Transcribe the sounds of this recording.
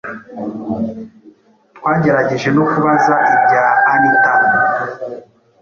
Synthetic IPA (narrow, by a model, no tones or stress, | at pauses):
twaːɟe̞ɾaɟeʒeno̞kuβazaʔibɟaːnitana